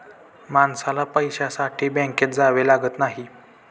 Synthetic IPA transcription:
mansalapəjɕasaʈʰiːbɛ̃ŋket̪̚d͡zaʋelaɡət̪naɦi

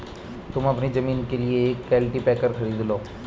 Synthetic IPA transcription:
t̪ʊməpnizəmiːnkeːlɪekːɛːlʈiːpɛːkəɾkʰəɾiːd̪loː

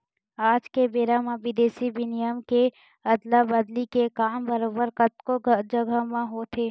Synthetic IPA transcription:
aːd͡ʒkebeːɾamãʋɪd̪eːsibɪnɪjəmke | ɐd̪labəd̪likekaːmbəɾoːbəɾkət̪koɡd͡ʒəɡamãɦot̪ʰeː

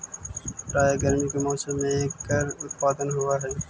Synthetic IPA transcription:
ɾaːjaːɡəɾmikemɔːsəmːẽeːkːəɾʊt̪paːd̪ənɦʊaɦɛː

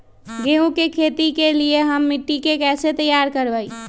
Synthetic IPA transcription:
ɡeũkekʰet̪ikelijeɦəmːiʈːikekɛset̪əjaɾkəɾbəj

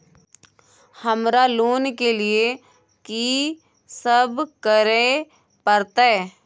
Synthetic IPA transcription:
həmɾaloːnkelie | ki | səbkəɾe | pəɾt̪aɛ

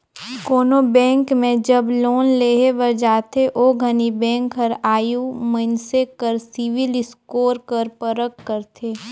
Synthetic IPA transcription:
koːnobɛ̃ːŋkmẽd͡ʒəbloːnleːɦeʋəɾd͡ʒaːt̪ʰeʔoːɡʱənibɛ̃ːŋkɦəɾaːjumənsekəɾsɪʋɪlɪskoːɾkəɾpəɾəkːəɾt̪ʰeː

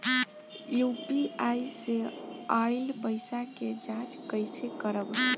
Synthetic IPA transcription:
jupiajseailpəjsaked͡ʒat͡ʃkəjsekəɾəb

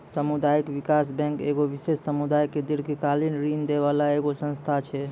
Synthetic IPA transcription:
səmud̪aikʋikasbɛ̃ŋkeɡoʋisessəmud̪ajkːed̪iɾkikalinɾind̪eβalaeɡosə̃nst̪ʰat͡ʃʰɛ

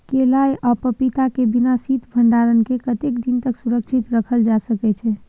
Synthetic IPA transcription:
kelajʔəpəpit̪akebinasit̪bʱəɳɖaɾənkekət̪ekd̪int̪əksuɾəkt͡ʃʰit̪ɾəkʰəld͡ʒasəkɛt͡ʃʰɛ

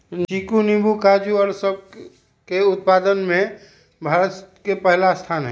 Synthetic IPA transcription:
ikunibʱukad͡ʒuɔɾsəb̚ | keʊt̪̚pad̪ənmẽ | bʱaːɾət̪kepəɦlast̪ʰaːnɦɛ

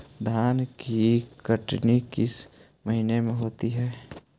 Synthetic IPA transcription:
d̪ʱaːnkikəʈnikɪs | məɦinemẽɦoːt̪iɦɛː

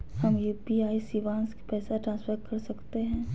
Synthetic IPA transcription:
hɐmjuːpiaːisiʋãːnske̥pɛːsaʈɾãːnsfʰəɾkɐɾsɐkt̪eɦɛ̃ː

